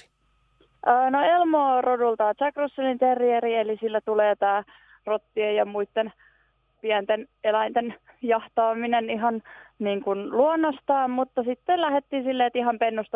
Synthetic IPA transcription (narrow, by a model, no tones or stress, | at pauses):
ʔəːnoelmoːrodult̪ɑːt͡ʃɑkrusːɑlint̪erieɾielisilːæt̪uleːt̪æː | rot̪ːiejɑmuit̪ːen | piænt̪enelæint̪en | jɑht̪ɑːmineniɦɑnniːŋkunluonːost̪ɑːmmut̪ːɑsit̪ːelæhet̪ːiːsilːeːt̪iɦɑmpenːust̪ɑ